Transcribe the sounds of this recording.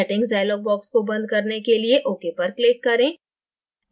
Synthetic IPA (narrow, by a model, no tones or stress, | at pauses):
ɛʈɪ̃ŋɡɖaːjlɔːɡ̚bɔːkskobɐ̃nd̪̚ʱkɐɾnekelieʔoːkepɐɾkleːkːɐɾẽː